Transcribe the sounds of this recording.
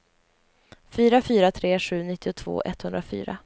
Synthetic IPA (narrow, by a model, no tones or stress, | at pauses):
fyːɾafyːɾat̪ʰɾeːɧʉ̟ːnɪt̪ʰːɪʊt̪ʰv̥o̰ːʔɛ̰t̪ːhɵnd̪ɾafy̰ːɾa̰